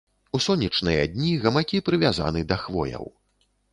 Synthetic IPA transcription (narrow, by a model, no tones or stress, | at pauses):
usɔnʲit͡ʂnɨjɐ̰d̪ʲnʲiɣɐmakʲipɾɨvʲaza̰nɨd̪ɐxvɔ̰jɐ̰w